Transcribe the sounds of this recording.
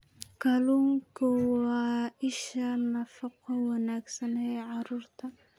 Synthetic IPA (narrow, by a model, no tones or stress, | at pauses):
kʰɐluːŋkʰʊwɑːɪʃɐnɐfɐqʰɔwɐnaːɡsɐnɛjʕɑɾuːrt̪ʰɐ